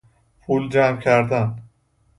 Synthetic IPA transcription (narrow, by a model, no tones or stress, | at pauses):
pʰuld͡ʒæmcʰæɾd̪æn